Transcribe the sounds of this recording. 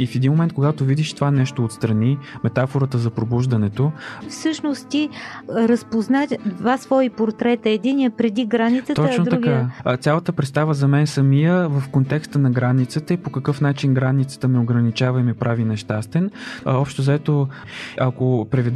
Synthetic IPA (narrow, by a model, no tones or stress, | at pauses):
ifɛd̪inmomɛnt̪koɡat̪ovid̪iʃt̪ovanɛʃt̪oːt̪st̪ɾɐnimɛt̪afoɾət̪əzɐpɾobuʒd̪ɐnɛt̪ofsɤʃnost̪t̪iɾɐspoznat̪d̪vasvɔipoɾt̪ɾɛt̪əɛd̪iniəpɾɛd̪iɡɾanit̪sət̪ɔət͡ʃnotd̪ɐuɡkaət̪sʲjalˠət̪əpɾɛt̪st̪avəzɐmɛnsɐmijəvəfkont̪ɛkst̪ənɐɡɾanit̪sət̪əipokɐkɤfnat͡ʃinɡɾanit̪sə̥t̪əmɛoɡɾɐnit͡ʃavəimɛpɾʔavinɛʃt̪ast̪ɛnɔpʃt̪ozɐɛt̪o | ɐkopɾɛvid̪